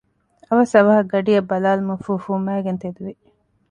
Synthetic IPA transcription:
ɐʋɐsɐʋɐɦɐɡɐɖijɐbːɐlaːlumɐfuːfuːmæːɡent̪ed̪uʋi

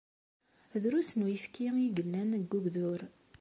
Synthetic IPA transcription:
ðɾusənwjəfkiiɡəlːænɡːuɡðʊɾ

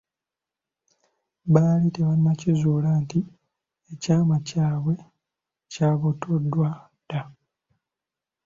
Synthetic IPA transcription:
baliteβanimacizuːlaːnti | ecaːmacaːβwe̞ | caːβotːodːwa | d̥a

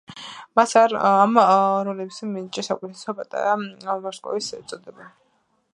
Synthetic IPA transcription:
masaɾamɾɔlɛbsimint͡ʃʼɛsakʼɛt̪ʰɛ̥sɛɔpʼat̪ʼa̰ɾamɔɾskʼɔ̰visɛt̪sʼɔd̪ɛba

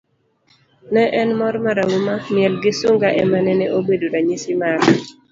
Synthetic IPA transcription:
nɛʔɛnmɔɾmaɾaumamɪɛlɡɪsuŋɡaʔɛmanɛnɛʔobedoɾaɲisimaɾ

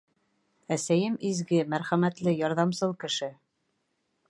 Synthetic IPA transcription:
æsæjɘmizɡɘmæɾχæmæt̪lɘjɑɾðɑmsɤlˠkɘ̆ʃɘ

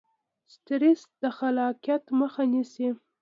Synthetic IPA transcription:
st̪ɾesd̪̥əxalɑqijat̪məxanisi

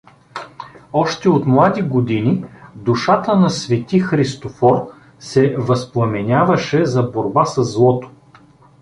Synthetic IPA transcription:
ɔʃt̪ɛot̪mlˠad̪iɡod̪inid̪uʃat̪ənɐsvɛt̪ixɾist̪ofɔɾ | sɛvɐsplˠɐmɛnʲavɐʃɛzɐboɾbasɐzːlˠɔt̪o̥

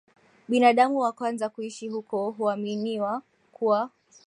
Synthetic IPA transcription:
ɓinaɗamuwakwanzakuiʃihukɔɦuaminiwa | kʰuwa

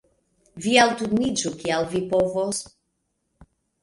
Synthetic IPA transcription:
vialt̪ud̪nid͡ʒukialvipovos

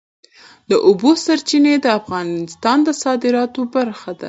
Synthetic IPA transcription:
d̪əʔʊbosaɾt͡ʃined̪əafɣɑnɪst̪ɑnd̪əsɑd̪ɪɾɑt̪obaɾxad̪a̰

